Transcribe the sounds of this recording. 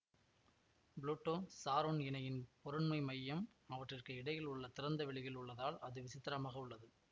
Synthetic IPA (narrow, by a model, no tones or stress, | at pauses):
bɭuːʈːoːsaːɾoːnɪnɐjɪnpɔɾɯɳmɐɪmɐjːɐm | ɐʋɐʈrɪrkɯɪɽɐjɪlʊɭːɐt̪ɪɾɐnd̪ɐʋɪɭɪjɪlʊɭːɐðaːlɐðɯʋɪsɪt̪ːɪɾɐmaːɣɐʊɭːɐðɯ